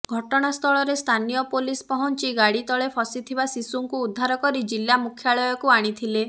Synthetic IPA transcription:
ɡʱɔʈɔɽ̃ast̪ʰɔɭɔɾest̪ʰanijɔpolispɔɦɔnt͡ʃiɡaɽit̪ɔɭepʰɔsit̪ʰibasisuŋkuːd̪ʱːaɾɔkɔɾid͡ʒilːamukʰjaɭɔjɔkuaɽ̃it̪ʰile

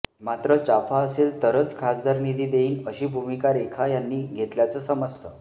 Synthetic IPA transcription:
mat̪ɾət͡ɕafʰaəselt̪əɾət͡skʰasd̪ʱaɾnid̪ʱiːd̪eiːnəɕiːbʱumikaɾekʰajanːiːɡʱet̪ljat͡səsəməsːə

